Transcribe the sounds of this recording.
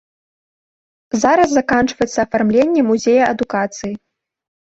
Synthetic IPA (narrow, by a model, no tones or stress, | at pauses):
zaɾɐz̬zakant͡ʂvɐjɛt̪sːɐːfarmlʲenʲːɛmuzʲejɐʔɐd̪ukat̪sɨji